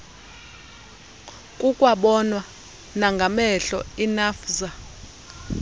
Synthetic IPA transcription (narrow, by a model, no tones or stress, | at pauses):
kʼukʼwaɓɔnwa | naŋɡʱamɛɬɔinaːfza